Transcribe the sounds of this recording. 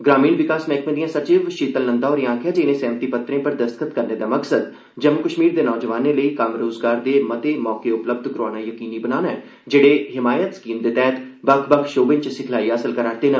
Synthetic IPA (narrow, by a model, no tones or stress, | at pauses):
ɡɾaːmiːnʋɪkaːsmɛːkʰmẽːd̪ijãːsət͡ʃiːʋʃiːt̪əlnənd̪aːɔːɾijãːkʰjaːd͡ʒeːnẽːsɛ̃ːmt̪iːpət̪ɾẽːpəɾd̪əst̪kʰət̪kəɾneːd̪aːməksəd̪̚ | d͡ʒəmʊkəʃmiːɾd̪eːnɔːd͡ʒəʋaːnẽːləiːkaːmɾoːzɡaːɾd̪eːmət̪eːmɔːkeːʊpləb̚d̪kʊɾaːnãːjəkiːniːbənaːnaː | d͡ʒeːɽeːɦɪmaːjət̪sə̥kiːmd̪eːt̪ɛːt̪ | bəkʰbəkʰʃoːʋɪ̃ɲt͡ʃsɪkʰlaːiːasəlkəɾaːt̪eːnə̃